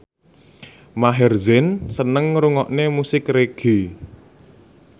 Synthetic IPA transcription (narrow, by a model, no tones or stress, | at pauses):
maɦɛrzɛnsənəŋɾuŋɔʔnemusɪkreɡ̥i